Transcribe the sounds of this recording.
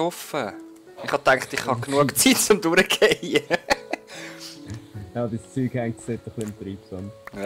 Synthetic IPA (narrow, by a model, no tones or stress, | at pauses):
ɔfə | ɪχhɑtæŋktɪχhɑknuəkt͡sitt͡sʊmduɾəɡejə | jɑbɪst͡syːɡɛŋset̪ːəχlɪmt̪ɾiːpsɔn